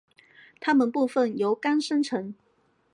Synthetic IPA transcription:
t̪ʰa˥mə˨npu˥˧fə˥˩njo˧˥ʊka˥nʂə˥nʈ͡ʂʰɤ˨˥˦ŋ

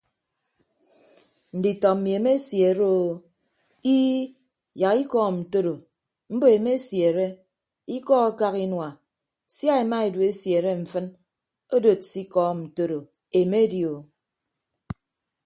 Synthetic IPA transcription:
n̩˨di˨tɔ˨m̩˨mi˨e˨me˦sje˨ɾo˦˨ | i˦ | ja˨ki˦kɔː˦˨n̩˨to˦ɾo˨ | m̩˦bo˨e˨me˦sje˨ɾe˦ | i˦kɔ˦a˦ka˦ki˦nwa˨ | sja˦e˨ma˦e˨dwe˦sje˨ɾe˦ɱ̩˨fɨ˦n | o˦do˨tsi˦kɔː˦n̩˨to˦ɾo˨ | e˨me˦djo˨

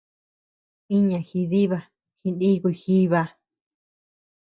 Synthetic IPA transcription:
i˦ɲã˨xi˧ði˦βa˧ | xi˧ni˦˧ɣu˧i˨˧xi˦βa˧

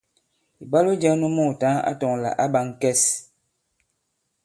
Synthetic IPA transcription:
i˨ba˦lo˦d͡ʒa˦nu˦mɔ˦˨ta˨˦a̰˦tɔ˨ŋla̰˨ʔa˦ba˨˦ŋ˨kɛ˦s

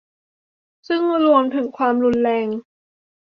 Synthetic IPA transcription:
sɯ˥˩ŋɾu˧əmt̪ʰɯ˨˩˦ŋkʰwaː˧mɾu˧nlɛː˧ŋ

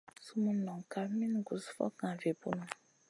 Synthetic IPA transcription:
su˦mũ˦nɔ̃˨ŋ˨ka˨mĩ˦n˨ɡu˨sfɔ̰˦kã˨ve˨pu˦nũ˦

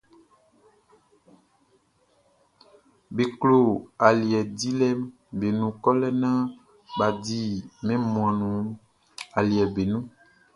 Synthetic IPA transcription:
be˨klo˨a˨li˨ɛ˨di˦lɛ˦m | be˨nũ˨kɔ˦lɛ˦nã˦ | ba˨di˦mɛ̃˦mũ˨ã˨nũ˨ | a˨li˨ɛ˨be˨nũ˦

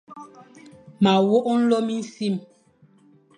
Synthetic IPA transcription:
ma˨wo˦ʔn̩˦lo˦mi˦n̩˦si˦˨m

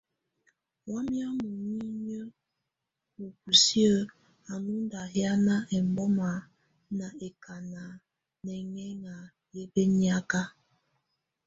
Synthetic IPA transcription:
wɔ˦mjɔ˦mu˨ɲi˦ɲə˦ | o˨ku˨si˦ə˦ | a˨nu˦nda˨ɦja˦na˦ʔɛ˨m˨bɔ˦ma˨ | na˨e˨kʰa˨na˨ | nɛ˨ŋɛ˦ŋa˨ | je˦be˦ni˦a˦ka˦

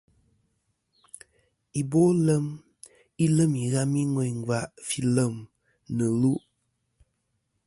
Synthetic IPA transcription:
i˨bo˦lə˦m | i˦lə˦mi˨ɣa˦mi˦ŋwɔ˨ŋ̩˨ɡwa˨ʔfi˦lə˦˨m | nɨ˨lu˦ʔ

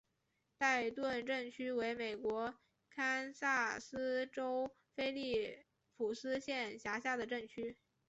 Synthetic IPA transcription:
t̪a˥˧ɪt̪wə˥˧nʈ͡ʂə˥˩ŋt͡ɕʰy˥we˧˥ɪme˨˩ɪkwɔ˧˥ | kʰa˥nsa˥˩sɹ̩˥ʈ͡ʂo˥ʊ | fe˥ɪli˥˩ | fu˨˩sɹ̩˥ɕjɛ˥˩nɕja˧˥ɕ̬ja˥˩d̪ə˩ʈ͡ʂə˥˩ŋt͡ɕʰy˥

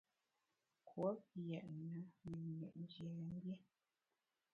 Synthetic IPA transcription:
kʰwo˦p̚jɛ˨ʔnə˨˦mə˨ḛ˨ʔn˦d͡ʒje˨ɣə˨˦m̩˦bje˦

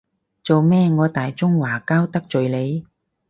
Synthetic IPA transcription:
t͡so˨wmɛː˥ŋɔː˨˧t̪aː˨jt͡sʊ˥ŋwaː˨˩kaː˥wt̪ɐ˥k̚t͡ʃɵ˨ɥle˨˧j

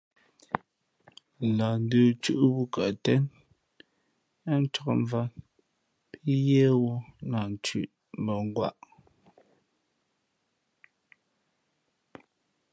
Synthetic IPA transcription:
la˨n̩˦də˨t͡ʃʉ˦˨ʔbu˦ka˨tɛ˦n˦ | n̩˦t͡ʃɔ˨kɱ˦va˦ | pʰi˦jɛ˦wɔ˦na˨n˨t͡ʃʉ̰˨ʔ | m̩bə˨ŋ˦ɡwa̰˦ʔ

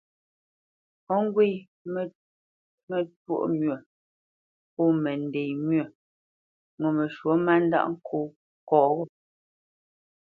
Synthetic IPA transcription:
ɔ˦ŋ̩˦ɡwe˦˨j | mɛ˨two̰˦ʔmɥə˨ | po˦˨mɛ˨n˨de˨jmɥə˨ | ŋo˨me˨ʃwo˨˦ma˦n̩˦da̰˦ʔŋ̩˦kʰo˦˨ | kɔː˨ɣɔ˦

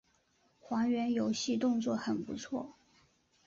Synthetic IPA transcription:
xwɑ˧˥ŋɥɛ˧˥njo˧˥ʊɕi˥˧t̪ʊ˥˧ŋt͡swɔ˥˩xə˨˩npṵ˧˥t͡sʰwɔ̰˥˩

